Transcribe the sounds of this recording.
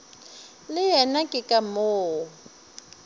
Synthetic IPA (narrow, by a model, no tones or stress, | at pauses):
lɪjɛnakʼɪkʼamoː